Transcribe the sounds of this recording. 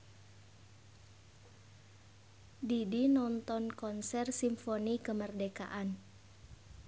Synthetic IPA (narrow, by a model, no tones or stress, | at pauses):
didinɔnt̪ɔnkɔnsɛrsimfonikəmərdeka̰ʔan